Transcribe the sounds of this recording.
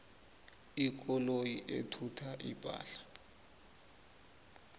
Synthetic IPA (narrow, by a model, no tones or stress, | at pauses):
ik̬ʼɔlojiʔḛtʰutʰaʔipʼa̰ːɬḁ